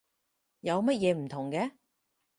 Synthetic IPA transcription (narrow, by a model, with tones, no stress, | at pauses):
jɐ˨˧wmɐ˥t̚jɛː˨˧m̩˨˩t̪ʰʊ˨˩ŋkɛ˧